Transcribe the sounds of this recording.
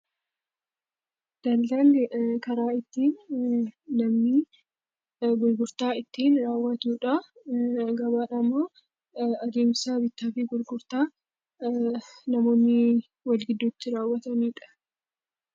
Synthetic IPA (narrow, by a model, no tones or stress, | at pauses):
d̪̥ɐld̪ankɐɾaːɪt̪ːiːnː | ɐmniː | ɡʊlɡʊɾt̪aːɪt̪ːiːnɾaːwːɐt̪uːᶑɐ | ɡɐbaːᶑɐmːoː | ɐd̪eːmsaːbɪt̪ːaːfɪɡʊlɡʊɾt̪aː | nɐmo̞ːnːɪ | wɐlɡɪd̪ːot̪ːɪɾaːwːɐt̪ɐniːᶑɐ̥